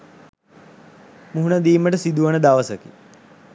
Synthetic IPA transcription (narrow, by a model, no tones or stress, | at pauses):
muɦunad̪iːməʈəsid̪uʋənəd̪aʋəsəki